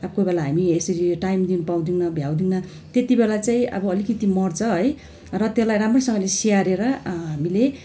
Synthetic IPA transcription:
ʌbʌkobelaɦamiesʌɾiʈajmd̪inupaw̃d̪inʌbʱjaw̃d̪inʌ | t̪et̪ibelat͡saĩʌ̰bʌːlikʌt̪imʌrt͡sʰʌɦʌj | rʌt̪elajramrosʌ̃ŋɡʌlesiaɾeɾʌɦamile

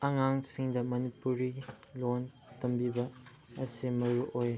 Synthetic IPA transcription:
aŋaŋsiŋdɐmɐnipuɾilon | tɐmbibɐ | ɐsimɐɾuʔoj

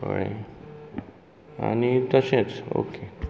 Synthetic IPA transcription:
əɭe | a̰nit̪əsẽt͡so̰ke

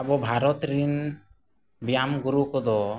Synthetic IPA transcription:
abɔbʱaɾɔt̪ɾin | bijamɡuɾukɔd̪ɔ

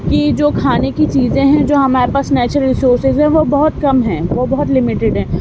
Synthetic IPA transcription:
kid͡ʒoːkʰaːnekit͡ʃiːzẽɦɛ̃d͡ʒoːɦɐmaːɾepaːsnɛːt͡ʃəɾəlɾɪsoːɾsɪzɦɛ̃ʋobɐɦʊt̪kɐmɦɛ̃ːʋobɐɦʊt̪lɪmɪʈɪɖɦɛ̃ː

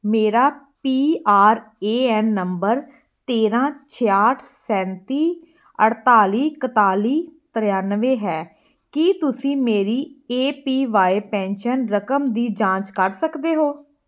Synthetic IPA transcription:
meːɾaː | piːaːɾeːɛːnːəmbəɾ | t̪eːɾãːt͡ʃʰeːaːʈʰsɛ̃ːnt̪iː | əɽt̪aːliːkət̪aːliːt̪əɾjaːnʋẽːɦɛː | kit̪ʊsĩːmeːɾiːeːpiːʋaːepɛ̃ːnʃənɾəkəmd̪iːd͡ʒãːt͡ʃkəɾsəkd̪eːɦoː

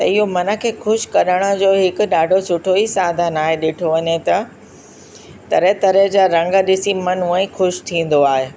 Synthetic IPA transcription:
t̪ɐɪɦomɐnə̆kʰeːxʊʃkɐɾəɽ̃ə̆d͡ʑoːɦɪkʊ̆ɗaːɖʱosʊʈʰoisaːd̪ʱənaːɦeɗɪʈʰoʋɐɲet̪ɐ | t̪ɐɾet̪ɐɾed͡ʑaːɾɐ̃ŋɡəɗɪsimɐnuə̃ĩxʊʃt̪ʰĩːn̆d̪oaːɦeː

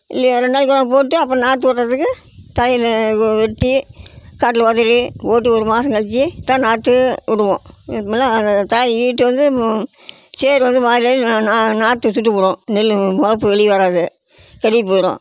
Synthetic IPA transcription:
ɪlːiɾɐnːɐkːɐɽɐ̃poːʈːɯɐpːɾɐ̃naːʈ̪̬ːɯɔʈːɾɐðɯkːɯ | t̪aːjʋɛʈːikaːʈ̬ːɪlʋɐðɐɾioːʈːiɔɾɯmaːsɐ̃ŋkɐlt͡ʃːit̪ãːnaːt̪ːɯʊɽɯʋõːmlːãnd̪ɐt̪aːjiːʈːɯʋɐnd̪ɯ | seːɾʋɐnd̪ɯmaːɾɪaːananaːʈ̪ːɯsʊʈːɯpʊːɽõːnɛlːmɐɐp̬ːɯʋɛɭɪʋɐɾaːðɯ | kɐɾɪpːɾõ̰ː

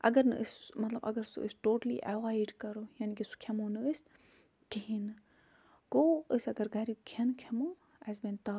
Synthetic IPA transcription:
ʔɐ̰ɡɐɾnɨ̰ʔəsmɐt̪lɐbɐ̰ɡɐɾsṵə̰sʈoːʈlḭʔɐwajɖkɐɾoːjaːnikisu̥kʰɐmoːnɨəs | kiɦin | ɡoːəsɐɡɐɾɡʱɐɾikʰɐnkʰemo | ɛzbɐnt̪aː

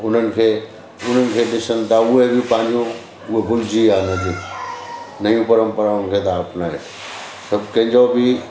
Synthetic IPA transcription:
ʊn̤ənɪ̆kʰeː | ʊn̤ənɪ̆kʰeːɗɪsənɪ̆t̪ʰaʊɦebɪpãːɪ̃ɲd͡ʑũ | ʊɦebʊld͡ʑʱiaːnɐd̪ĩ | nɐijũpɐɾə̃mpəɾaʊnɪ̆kʰeːt̪aɐpnaːe | sɐbʱkɐ̃ɦɪ̃ɲd͡ʑobɪ

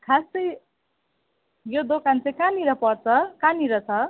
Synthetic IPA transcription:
kʰasʌj | jod̪okant͡sʌĩkaniɾʌpʌrt͡sʰʌkaniɾʌt͡sʰʌ

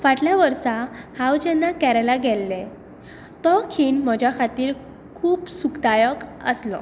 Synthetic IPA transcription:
ʋaʈljaʋəɾsahawd͡ʑɛnːakɛɾalaɡʱɛlːɛ | t̪ɔkʰiːɳməd͡ʑjakʰat̪iːɾ | kʰuːpsukd̪ajəkə̰slɔ̰

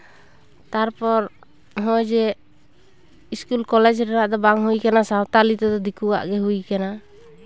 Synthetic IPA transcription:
t̪aɾpɔɾ | ɦɔjd͡ʒɛ | iskulkɔlɛd͡ʒɾɛnaʔd̪ɔbaŋɦujkanasawt̪alit̪ɛd̪ɔd̪ikuwa̰ʔɡɛɦujkana

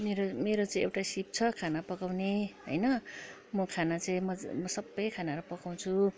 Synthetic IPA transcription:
meɾomeɾot͡saĩewʈasip̚t͡sʰʌkʰanapʌkawneɦʌ̰jnʌ | mʌkʰanat͡saĩmʌmʌsʌbːʌjkʰanaɾupʌkaw̃t͡sʰu

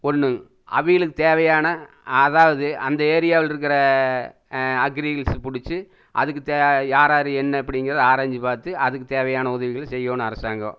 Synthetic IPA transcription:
ɔnːɯ | ɐ̰ʋɪjɐɭɯkːɯt̪eːʋɐjaːnɐ | ɐðaːʋɐðɯɐnd̪ɐeːɾɪjaːʋɪlɪɾɯk̬ːɪɾɐ | ɐɡɪɾiɣɐlspʊɽɪt͡ʃːɯ | ʔɐ̰ðɯk̬ːɯt̪eːjaːɾaːɾɯɛnːɐɐp̬ːɐɽɪŋɡɪɾɐðɯaːɾaːɲd͡ʒɯpaːɾt̪ɯʔɐðɯkːɯt̪eːʋɐjaːnɐʊðɐʋɪɣɐɭsɛjːoːnɯɐɾɐsaːŋɡɐ̰̃

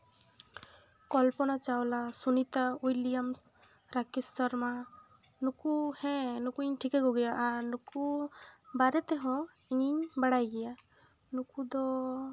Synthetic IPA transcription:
kɔlpɔnat͡ʃawlasunit̪aujlijams | ɾakist̪ɔɾma | nukuhɛ̃nukuiɲʈʰikeɡoɡɛjaʔːɾnuku | baɾɛt̪eɦɔ̃ | iɲiɲbaɽajɡɛja | nukud̪ɔ

